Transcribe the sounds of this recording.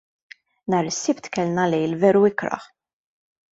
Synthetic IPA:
nɐːɾɪsːɪpt̪kɛlnɐlɛjlvɛːɾuɪkɾɐ̰ħ

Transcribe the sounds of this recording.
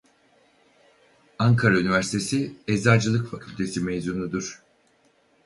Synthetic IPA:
aŋkʰaɾaynivæɾsi̥t̪ʰe̞siɛzaːd͡ʒɯlˠɯkfacʰylʲt̪ʰe̞simejzunud̪uɾ̥

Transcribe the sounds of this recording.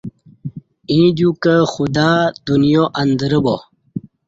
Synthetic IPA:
ĩːd͡ʑukəxud̪aːd̪̥unjoʔɐnd̪ɾəbo

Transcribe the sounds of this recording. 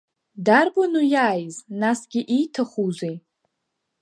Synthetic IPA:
darbanujaːjznasɡʲɪʔijtʰaχuzej

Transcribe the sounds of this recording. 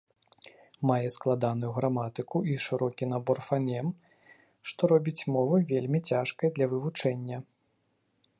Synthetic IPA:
majɛsklˠad̪anujuɣɾamat̪ɨkuiʂɨɾɔkʲinabɔrfanʲɛm | ʂt̪ɔɾɔbʲit͡sʲmɔvɨvʲelʲmʲit͡sʲaʂkɐjd̪lʲɐvɨvut͡ʂɛnʲːɐ

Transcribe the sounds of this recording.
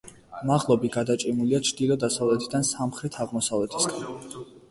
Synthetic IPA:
maʁlˠɔbiɡad̪at͡ʃʼimuliat͡ʃʰd̪̥ilˠɔd̪asavlɛt̪ʰid̪ansamχɾɛt̪ʰaʁmɔsavlɛt̪ʰi̥sɡan

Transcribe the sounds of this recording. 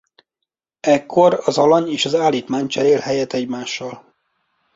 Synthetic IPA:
ɛkʰːo̞ɾɒzɒlɒɲeːʃɒzaːlːiːt̪maːɲt͡ʃɛɾeːlhɛjɛt̪ːɛɟmaːʃːɒl

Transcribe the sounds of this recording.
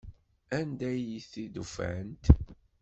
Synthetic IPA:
ænd̪æjiθid̪ufæ̰ənt̪

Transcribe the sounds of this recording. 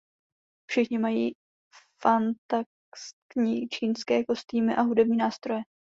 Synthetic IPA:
fʃɪxɲɪmajiː | fant̪a | st̪t̪ɲiːt͡ʃiːnskɛːko̞st̪iːmɪʔaɦudɛb̚ɲiːnaːst̪ɾo̞jɛ

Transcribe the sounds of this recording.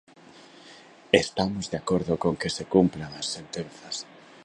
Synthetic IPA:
est̪amozðeakoɾðʊkoŋkesekumplaŋasːent̪enθɐs

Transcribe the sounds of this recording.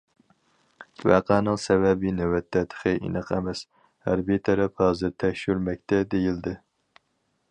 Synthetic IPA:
æ̰qʰæːnɨŋsɛwɛbinɛwɛt̪ʰːɛt̪ʰə̥χʰɨʔḭnɨqʰɛmɛs | hæɾbit̪ʰɛɾɛphɑːzɨɾt̪ʰɛʃyɾmɛk̚ʲt̪ʰɛd̪ejild̪ɪ

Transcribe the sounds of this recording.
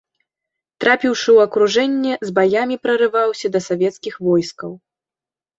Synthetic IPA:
t̪ɾapʲiwʂɨwɐkɾuʐɛnʲːɛzbajamʲipɾɐɾɨvawsʲɐd̪ɐsavʲɛt̪skʲixvɔjskɐw

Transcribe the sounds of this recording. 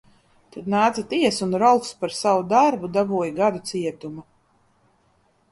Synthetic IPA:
t̪ad̪naːt̪zat̪iɛsunɾɔlˠt̪spaɾsavud̪aɾbud̪avuɔjɡad̪ut̪siɛt̪umu

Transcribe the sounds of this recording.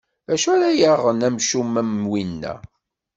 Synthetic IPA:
æʃæɾæjəʁːənæmʃumːæmwinːæ̰

